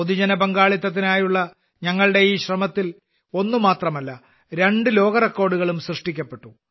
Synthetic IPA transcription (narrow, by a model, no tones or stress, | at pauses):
oðid͡ʑɐnɐbɐŋɡaːɭit̪ːɐt̪̬ːinaːjuɭːɐ | ɲɐŋːɐɭɽe̞iːɕrɐmɐt̪ːil | o̞nːumaːt̪rɐmɐlːɐ | ɾe̞ɳɖɨlo̞ːɣɐrekːo̞ːɽuɣɐɭumsrɨʂʈikʲːɐpːe̞ʈːu